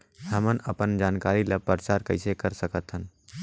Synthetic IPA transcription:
həmənɐpənd͡ʒaːnkaːɾiləpəɾt͡ʃaːɾkɐɪsekɐɾsəkət̪ɦən

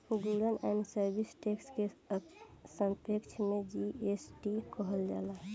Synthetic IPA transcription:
ɡuɾənɛ̰nsəɾbisʈekske | səmpekt͡ʃʰmed͡ʒiesʈikəɦəld͡ʒa̰la

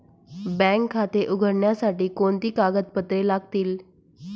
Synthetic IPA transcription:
bɛ̃ŋkʰːat̪eʔuɡʱəɽɳjasaʈiːkoɳt̪iːkaɡət̪̚pət̪ɾelaɡ̚t̪iːl

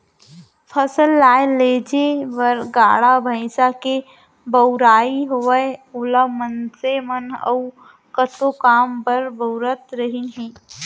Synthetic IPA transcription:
pʰəsəlːaːeleːd͡ʒeʋəɾɡaːɽabʱə̃ɪsake | bəʊɾaːiɦoːəeʊləmənsemənə̰ʊ | kət̪okaːmpəɾbəʊɾət̪ɾəɦinɦĩː

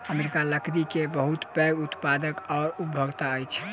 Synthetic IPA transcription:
əmeɾikaləkɾikebəɦut̪pɛɡut̪pad̪əkɔːɾup̚bʱəɡt̪aəjt͡ʃʰ

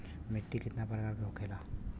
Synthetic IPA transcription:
meʈːit̪it̪napəɾkaɾɡokʰela

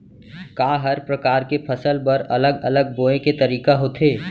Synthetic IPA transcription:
kaːɦɐɾpɾɐkaːɾkepʰɐsəlbəɾɐləɡɐləɡ̚boːẽket̪ɐɾiːkaɦoːt̪ʰeː

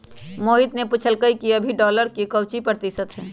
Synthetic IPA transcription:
moːɦɪt̪nepʊt͡ʃʰəlkəikiəbʱiɖɔːləɾkikəwt͡ʃipɾət̪ɪsət̪ɦɛ̃ː

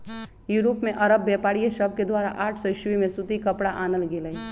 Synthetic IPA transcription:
juːɾoːpmẽʔɐɾəbːɛːpaːɽijesəb̚ʱked̪waːɾa̰ʔaːʈʰsɔʃwimẽsut̪ikɐpɽaʔaːnəlɡeləi

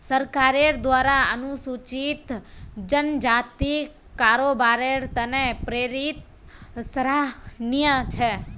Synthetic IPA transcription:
səɾkaɾeɾd̪ʋaɾaənũsut͡ʃit̪d͡ʒənd͡ʒat̪i | kaɾobaɾeɾt̪ənepɾeɾit̪̚ | səɾanijə̃t͡ʃʰe

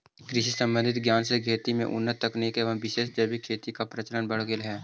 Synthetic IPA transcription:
kɾɪʃisə̃mbə̃nd̪ʱɪt̪ɡjaːnseɡʱeːt̪imḛ̃ʔʊ̰nːət̪ːɐknekeʋɐɦʋɪʃeːʃd͡ʒɐbikʰeːt̪ikapɾət͡ʃələnbɐɽ̤ɡɪlɦɛː

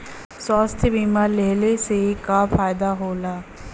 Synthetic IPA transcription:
swaːst̪ʰbiːmaːleːlesekafʰaːjd̪aɦoːlaː

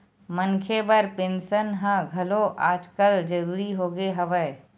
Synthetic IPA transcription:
mənkʰebəɾpẽːnʃənɦə̃ɡʱɐloʔaːd͡ʒkəld͡ʒəɾuːɾiɦoːɡeɦɐʋə

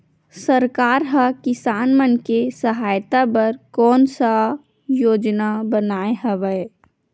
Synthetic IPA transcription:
səɾkaːɾɦakɪsaːnmənkesəɦaːjt̪abəɾkɔːnsa | joːd͡ʒnabənaːeɦəʋəe

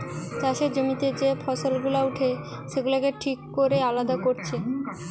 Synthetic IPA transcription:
t͡ɕaʃed͡ʑomit̪ed͡ʑepʰɔsolɡulauʈʰe | ʃeɡulakeʈʰikːoɾealad̪akoɾt͡ɕʰe

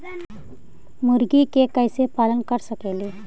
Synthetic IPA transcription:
muɾɡikekəjsepalənkəɾsəkeli

